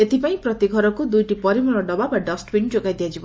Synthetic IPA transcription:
et̪ipaĩpɾɔt̪iɡʱɔɾɔkud̪ujʈipɔɾimɔɭɔɖɔbabaɖɔsʈbind͡ʒoɡajd̪ijad͡ʒibɔ

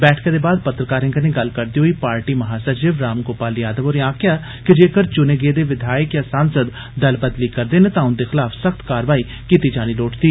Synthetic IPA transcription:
bɛːʈʰkãd̪eːbaːd̪pət̪ɾəkaːɾɪ̃ŋɡəneːɡəlkəɾd̪iːɦoiːpaːɾʈiːməɦaːsət͡ʃɪʋɾaːmkoːpaːliaːd̪əʋoːɾjãːkɪaː | kɪd͡ʒeːkəɾt͡ʃʊneːɡeːd̪eːʋɪd̪ʱaːjəkjãːsaːnsəd̪ | d̪əlbəd̪liːkəɾd̪eːneːt̪ãːʊnd̪eːxɪlaːfʰsəxt̪kaːɾʋaːiː | kiːt̪iːd͡ʒaːɽ̃iːloːʈd̪iː

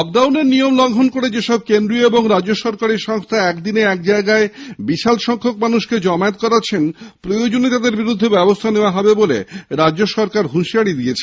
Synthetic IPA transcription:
ɔk̚ɖawneɾnijomlɔŋɡʱonkoɽed͡ʑeʃɔb̚kend̪ɾioeboŋɾad͡ʑoʃɔɾkaɾiɾʃɔŋst̪ʰaɛkd̪ineɛk̚d͡ʑaeɡaebiʃalʃɔŋkʰokmanuʃked͡ʑɔmaet̪kɔɾat͡ɕʰenpɾojod͡ʑonit̪ad̪eɾbiɾud̪ʱːebɛbost̪ʰaneoaɦɔbebolḛɾaoʃɔɾkaɾɦuʃiaɽid̪iet͡ɕʰe

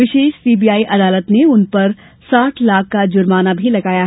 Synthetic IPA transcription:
ʋɪʃeːʃsiːbiːaːiʔɐd̪aːlət̪neʊnpɐɾ | saːʈʰlaːkʰːad͡ʒʊɾmaːnabʱilɐɡaːjaɦ

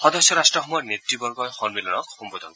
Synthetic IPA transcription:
xɔd̪ɔsjɔɾasʈɹɔxɔmɔjnetːibɔɾɡɔjxɔnmilɔnɔkhumbɔd̪ʱɔn

